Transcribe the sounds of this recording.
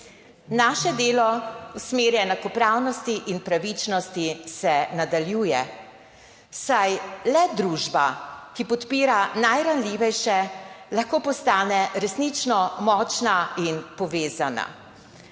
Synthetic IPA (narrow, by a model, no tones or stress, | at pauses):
naːʃɛd̪eːlɔusmeːɾjɛnakɔpɾaːwnɔst̪iʔinpɾaʋit͡ʃnɔst̪isɛnad̪aljuːjɛ | sajlɛd̪ɾuːʒbakipɔt̪piːɾanajɾanliːʋɛjʃɛlaxkoːpɔst̪aːnɛɾɛsnit͡ʃnɔmɔːt͡ʃnainpɔʋeːzana̰